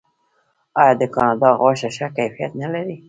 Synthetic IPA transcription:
ɑjɑd̪əkɑnɑd̪ɑɣwaʃaʃakajfija̰t̪nalaɾi

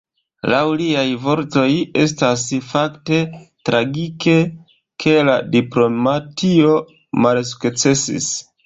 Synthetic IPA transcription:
lawliajvo̞ɾto̞je̞stasfakte̞tɾʔaɡike̞ | kʰe̞ladiplo̞matʰio̞ | mals̬u̥kt͡se̞sḭs

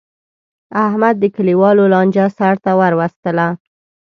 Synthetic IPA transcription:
ahmad̪ːəkəliwɑlolɑnd͡ʒasaɽt̪awaɾwast̪əla

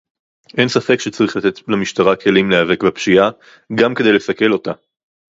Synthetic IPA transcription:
ʔensafe̞kʃet͡saʁiχlat̪e̞t̪lemiʃt̪aʁakʰe̞limleave̞kbapʃia | ɡamke̞d̪ejlesɐke̞lo̞ta

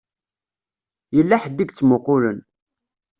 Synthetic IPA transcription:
jəlːaħəd̪iɡt͡sːmoqʊlən

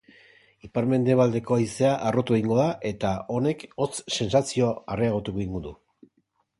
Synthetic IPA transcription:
ipaɾme̞nd̪e̞β̞ald̪e̞ko̞aise̞aʔːro̞t̪ueɣiŋɡo̞ðaʔe̞t̪ao̞ne̞ko̞t͡sse̞nsasio̞areaɣ̞ot̪uɣoiŋɡud̪u

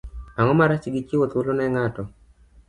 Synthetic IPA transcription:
aŋɔmaɾat͡ʃɡɪt͡ʃɪwot̪wolonɛŋatɔ

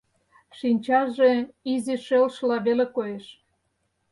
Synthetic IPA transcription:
ʃinʲt͡ɕɑʒeiziʃelʃlɑβelekojeʃ

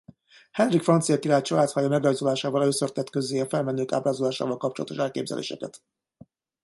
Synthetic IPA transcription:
hɛnrikfrɒnt̪sijɒkiɾaːt̪t͡ʃɒlaːt̪shɒjɒmɛɡrɒjzolaːʃaːvɒløːsørt̪ɛt̪køzeːɒfɛlmɛnːøːka̰ːbraːzolaːʃa̰ːvɒlkɒp̚t͡ʃolɒ̰t̪o̞̰ʃɛlkeːbzɛ̰lʔḛːʃɛ̰kɛ̰t̪

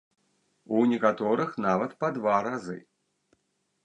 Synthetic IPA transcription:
unʲɛkat̪ɔɾɨxnavɐt̪pɐd̪vaɾazɨ̰

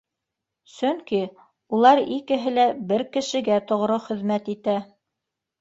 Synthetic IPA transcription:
sɵŋki | ulˠɑɾikɘ̆ɦɘlæbɘɾkɘ̆ʃɘ̆ɡæt̪ŏʁɾoχɘ̆ðmæt̪it̪æ

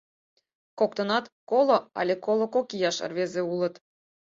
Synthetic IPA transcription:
kok̚t̪ənɑt̪koloɑ̰lʲekolˠokokijɑʃə̰rβezeulə̆t̪

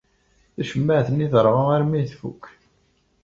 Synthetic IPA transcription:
θæʃəmːəʕθənːiðəɾˤʁaaɾmiθfṵkː

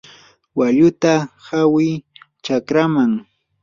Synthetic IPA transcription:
waʎʊt̪ahawɪj | t͡ʃakɾamaŋ

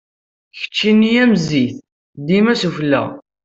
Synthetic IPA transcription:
çə̥t͡ʃːinːijæmziθ | d̪imæsuflːæ̰ʁ

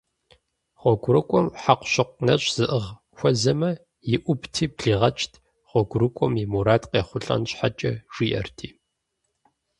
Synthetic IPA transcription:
χʷɔɡʷʊɾɨkʷʼɔmħaqʷɕɨqʷnɐɕʼz̥ɨʔɨʁ | xʷɔzɐmɐ | jɪʔʷʊptʰiːpɬiːʁɐt͡ʃʼtʰ | χʷɔɡʷʊɾɨkʷʼɔmimuɾaːtqeːχʷʊɬʼɐ̰nɕʼħat͡ʃʼɐʒ̥iːʔɐ̰rtʰiː

